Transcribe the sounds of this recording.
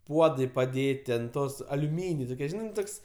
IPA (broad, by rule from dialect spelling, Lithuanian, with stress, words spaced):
ˈpuɔdɐɪ pɐˈdʲeːtʲɪ ɐnt ˈtoːs ɐlʲʊˈmʲiːnʲɛɪ toːˈkʲiɛ ˈʒʲɪnɐɪ ˈtoːks